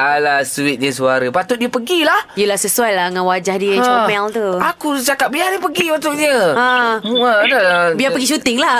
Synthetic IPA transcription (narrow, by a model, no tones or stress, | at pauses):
alahsuɪt̪̚ɲə̃s̬uaɾəpat̪ʊt̪̚diəpəɡilahijəlahsəsuajlaəŋãnwad͡ʒahdiət͡ʃmɛlt̪uakut͡ʃakap̚bianipəɡiut̪uʔɲə̃ãadabiapəɡiʃut̪ɪŋla